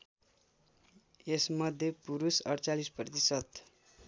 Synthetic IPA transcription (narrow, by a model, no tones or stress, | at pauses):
esmʌd̪ʱjepuɾusʌrt͡salisprʌt̪isʌt̪